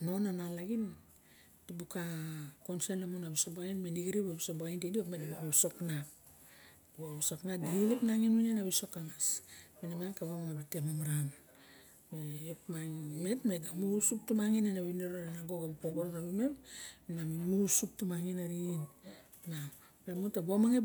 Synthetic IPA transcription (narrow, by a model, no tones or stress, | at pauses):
no̞nanalaɡin | d̥ibukakonsenamunabisoboainmeniɡiɾibabisoboaintidiopmetbooβso̞knap̚ | boβisoknadiɡilipnaŋinwinenaβiso̞kaŋasminamankaβamaŋabitemamaɾam | meopmame̞tmeɡamusup̚tumaŋinenaβineɾoɾanaɡo̞ɡabipoɡoɾonaɾume̞mminammusup̚tumaŋinaɾin | na | bemutabomaŋe